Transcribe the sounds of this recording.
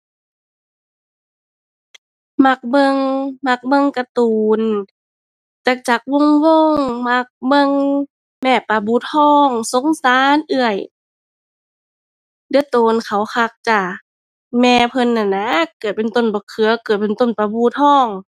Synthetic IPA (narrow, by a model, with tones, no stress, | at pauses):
ma˧k̚bɤ˧˨ŋma˧˩k̚bɤ˧˨ŋka˧t̪uː˨n | t͡ɕa˧˩k̚t͡ɕa˧˩k̚wo˧˥˨ŋwo˧˨ŋma˧˦k̚bɤ˧˨ŋ | mɛː˧˩pa˧˩buː˧˦t̪ʰɔː˧˥˩ŋso˧˦ŋsaː˨˦˨nʔɯ˧əj | dɯ˧˩ə˦t̪oː˨˩nkʰa˨˩wkʰa˧k̚t͡ɕa˧˩ | mɛː˧pʰɤ˧˥˨nːa˧˩nːa˧˦kɯ˧˨˩pe˨nt̪o˧˩˨nbɔː˧˦kʰɯ˨˧˦ɐ˦kɤ˨˩t̪̚pe˨nt̪o˧˥˨npa˧buː˧˦t̪ʰɔː˧˥˩ŋ